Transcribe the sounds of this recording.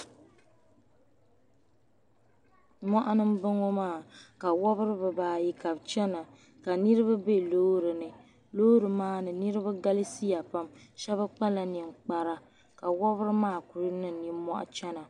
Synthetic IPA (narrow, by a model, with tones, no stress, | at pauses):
mɔ˦ʔa˦nɨ˦m˦bɨ˦ŋo˦maː˦˨ka˨wɔ˦bɨ˦ɾɨ˦bɨ˨baː˨ji˦ka˨bt͡ʃɛ˦na˨ | ka˨nɨ˦ɾɨ˦βa˦be˦loː˦ɾɨ˨nɨ˨ | lo˦ɾɨ˨maː˦nɨ˨nɨ˦ɾɨ˦ba˦ɡa˦li˦si˦ja˨pa˦mʃɛ˦βɨ˦k͡pa˦la˦ni˨m˨k͡pa˦ɾa˦ | ka˨wɔ˦βɨ˦ɾɨ˦maː˦˨ku˨ɾɨ˦nɨ˦˨ni˨˦mːɔ˦ʔa̰˦t͡ʃɛ˦na˨